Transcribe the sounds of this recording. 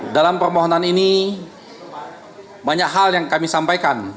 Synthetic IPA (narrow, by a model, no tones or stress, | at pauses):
dalampərmoɦonanini | baɲakɦaljaŋkamisampajkan